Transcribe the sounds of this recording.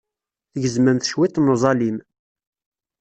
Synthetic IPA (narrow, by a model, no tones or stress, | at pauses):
θəʝəzmənθʃwit̪muzˤɑlim